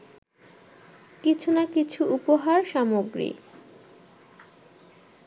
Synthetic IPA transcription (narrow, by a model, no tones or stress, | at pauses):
kit͡ɕʰunakit͡ɕʰuupoɦaɾʃamoɡɾḭ